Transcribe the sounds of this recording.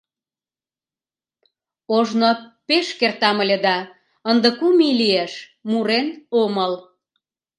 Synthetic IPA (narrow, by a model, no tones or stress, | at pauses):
oʒnopeʃkert̪ɑməlʲed̪ɑ | ənd̪əkumilieʃ | muɾenoməl